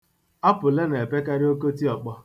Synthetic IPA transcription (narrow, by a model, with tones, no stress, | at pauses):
a˦pʊ˨le˦ne˨pe˦ka˦ɾɪ˦o˦ko˦ti˦ɔ˨k͡pɔ˦